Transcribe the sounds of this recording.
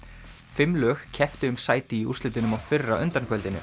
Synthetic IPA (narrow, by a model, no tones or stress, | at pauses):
fɪmlœːxcʰɛft̪ɪʏmsaːjt̪ɪiṵr̥st̪ɪt̪ɪnʏmawfɪrːa̰ʔʏnt̪aɾn̥kʰœlt̪ɪnʏ̰